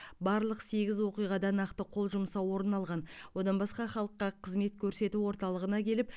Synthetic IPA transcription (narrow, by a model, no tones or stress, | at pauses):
bɑɾlˠəqse̞ɡʲɪzwo̞qijʁɑd̪ɑnɑqt̪əqʰo̞lˠʒʊmsɑwo̞ɾənɑlˠʁɑnwo̞d̪ɑnbɑsqɑχɑlˠəqːɑqʰəzme̞t̪kʲʰɵɾse̞t̪uwo̞ɾt̪ɑlˠəʁənɑkʲʰe̞lɪp̚